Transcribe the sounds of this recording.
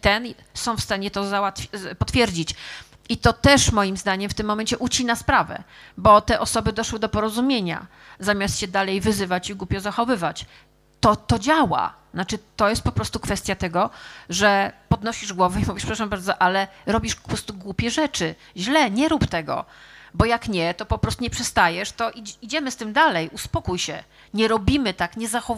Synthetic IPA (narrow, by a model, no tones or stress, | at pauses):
t̪ɛn | sɔ̃w̃fst̪aɲɛt̪ɔzawat̪fʲpɔt̪fʲjɛɾd͡ʑit͡ɕ | it̪ɔt̪ɛʂmɔjimzd̪aɲɛmft̪ɘmːɔmɛnɲt͡ɕɛʔut͡ɕinaspɾavɛ̰bɔt̪ɛʔɔsɔbɘd̪ɔʂwɘd̪ɔpɔɾɔzumʲjeɲa̰ | zamʲast̪ɕɛd̪alɛjvɘzɘvat͡ɕiɡwupʲjɔzaxɔvɘvat͡ɕ | t̪ɔt̪ɔd͡ʑawa̰znat͡ʂɘt̪ɔjɛst̪pɔpɾɔst̪ukfɛst̪ʲjat̪ɛɡɔʐɛpɔd̪nɔɕiʐɡwɔvɛimuvʲiʂpʂɾaʂambaɾd̪zɔʔalɛɾɔbʲiʂɔpɾɔst̪uɡwupʲjɛʐɛt͡ʂɘ | ʑlɛɲɛɾupt̪ɛɡɔ̰bɔjakɲɛt̪ɔpɔpɾɔst̪uɲɛpʂɛst̪ajɛʂt̪ɔʔiid͡ʑɛmɘst̪ɘmd̪alɛjʔuspɔkujɕɛ | ɲɛɾɔbʲimɘt̪akɲɛzaxɔ